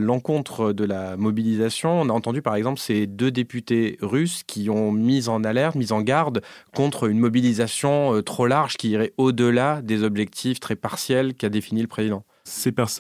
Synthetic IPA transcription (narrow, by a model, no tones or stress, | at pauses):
lɑ̃kɔ̃t̪χəd̪əlamɔbilizasjɔ̃ɔ̃naɑ̃t̪ɑ̃d̪ypaʁɛɡzɑ̃plə̥sed̪ød̪epyt̪eʁyskʲiɔ̃mizɑ̃nalɛʁt̪mizɑ̃ɡaʁd̪kɔ̃t̪χynmɔbilizasjɔ̃øt̪χolaʁʒkʲiːʁɛod̪əlad̪ezɔbʒɛk̚t̪ʰift̪χɛpaʁsjɛlkad̪efiniləpχezid̪ɑ̃ | sepɛʁs